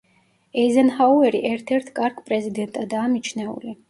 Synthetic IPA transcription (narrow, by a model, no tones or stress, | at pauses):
ɛzɛnhauɛɾiʔɛɾt̪ʰɛɾt̪ʰkʼaɾkʰpʼɾɛzid̪ɛnt̪ʼad̪aːmit͡ʃʰnɛṵli